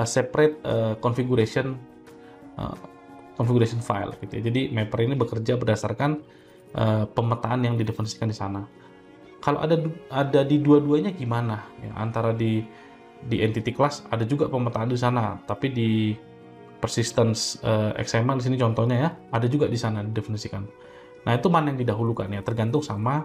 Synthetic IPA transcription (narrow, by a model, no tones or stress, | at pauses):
əsɛpɾɛt̪̚əkɔnfiɡuɾasiən | ə̰ | kɔnfiɡuɾasiənfa̰j̰lɡit̪ujad͡ʒadimepərinibəkərd͡ʒabərdasarkan | ʔəpəmət̪aːnjaŋdidefənsi̥kandisana | kalo̰ʔa̰daadadiduaduaɲaɡimanaja̰ʔa̰nt̪aɾadi | diʔɛnt̪it̪iklasadad͡ʒuɡapəmət̪aːndis̬anat̪apidi | pərsist̪ansəɛ̰ksaməndisinit͡ʃɔnt̪ɔhɲajaadad͡ʒuɡadisanadidefənisikan | nait̪umanajaŋdidaɦulukanjat̪ərɡant̪ʊŋsama